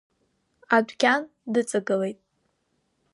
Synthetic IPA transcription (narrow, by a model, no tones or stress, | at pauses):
adʷkʲʰan | dɨt͡sʼɨɡɨle̞jtʼ